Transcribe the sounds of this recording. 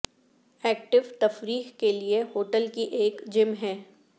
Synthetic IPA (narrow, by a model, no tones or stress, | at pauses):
ɛːkʈɪʋt̪ɐfɾiːɦkeliehoːʈəlkiʔeːkd͡ʒɪmɦɛː